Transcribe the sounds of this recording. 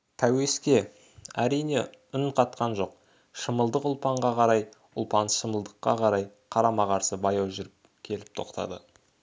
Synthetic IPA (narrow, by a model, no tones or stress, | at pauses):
t̪ʰæwe̞skʲe̞ | æ̰ɾijne̞ʊnqʰɑt̪̚qɑnʒo̞q̚ | ʃəməlˠd̪əqʊlˠpɑɴʁɑqʰɑɾɑj | ʊ̰lˠpɑnʃəməlˠd̪əqːɑ̰qʰɑɾɑjqʰɑɾɑmɑʁɑɾsəbɑjɑwʒʏɾɪp̚ | kʲʰe̞lɪp̚t̪ʰo̞̰qt̪ʰɑ̰d̪ə̰